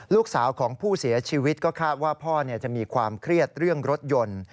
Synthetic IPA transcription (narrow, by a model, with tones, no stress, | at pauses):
luː˥˩k̚saː˩˦wkʰɔː˩˦ŋpʰuː˥˩si˩˦ɐt͡ɕʰiː˧wi˦˥t̪̚kɔː˥˩kʰaː˥˩t̪̚waː˥˩pʰɔː˥˩ni˥˩ɐt͡ɕa˨˩ʔmiː˧kʰwaː˧mkʰɾi˥˩ət̪̚ɾɯ˥˩əŋɾo˦˥t̪̚jo˧n